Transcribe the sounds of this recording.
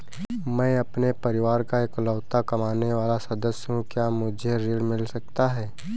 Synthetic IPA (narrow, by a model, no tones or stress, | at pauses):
mɛ̃ːɐpnepɐɾɪʋaːɾkaeːklɔːt̪akɐmaːneʋaːlasɐd̪əsjɦũkjaːmʊd͡ʒʱeɾeːɽmɪlsɐk̚t̪aɦɛː